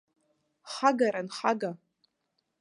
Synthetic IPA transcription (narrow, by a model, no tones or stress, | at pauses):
χaɡaɾanχaɡa